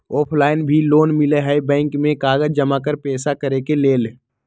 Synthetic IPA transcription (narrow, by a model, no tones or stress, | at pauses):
ɔːpʰlaːɪnbʱiloːnmɪleɦɛbɛ̃ːŋkmẽkaːɡəd͡ʒd͡ʒəmakəɾpɛːsakəɾekeleːl